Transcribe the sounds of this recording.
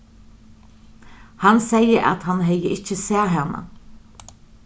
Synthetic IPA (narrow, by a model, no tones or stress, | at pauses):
hansɛjəɾʔa̰t̪hanɦɛjəʔɪt͡ʃəsæːɦɛna̰